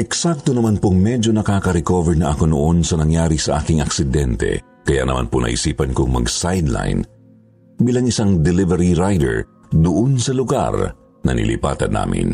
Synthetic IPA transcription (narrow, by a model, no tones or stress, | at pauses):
ʔɛksak̚t̪onɐmanpoŋmɛd͡ʒo̞nɐkaːkɐɾɛkovɛɹnɐʔɐkonoʔonsɐnɐŋjaːɾisɐʔaːkɪŋʔɐksɪd̪ɛnt̪ɛ̰ | kɐja̰nɐ̰ma̰nponʔɐ̰ʔḭsiːpɐnkoŋmɐ̰ɡsajd̪la̰jn | biːlɐŋɪsaŋd̪ɛlɪvɛɾiɾajd̪ɛ̰ɹ | d̪ʊʔonsɐlʊɡa̰ɾ | nɐ̰nɪ̰lʔɪ̰pa̰ːt̪ɐ̰nːa̰ːmɪ̰n